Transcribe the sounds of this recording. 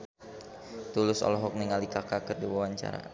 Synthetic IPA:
t̪ulʊsɔ̰lɔɦɔk̚niŋalikakakərdiwawaɲt͡ʃa̰ɾa̰

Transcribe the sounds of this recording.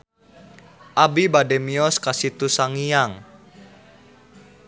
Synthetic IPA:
ʔabibadɛmiɔskasit̪usaŋijaŋ

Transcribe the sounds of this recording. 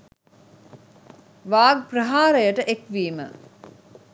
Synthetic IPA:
ʋaːɡ̚prəɦaːɾəjəʈəʔekʋiːmə̰

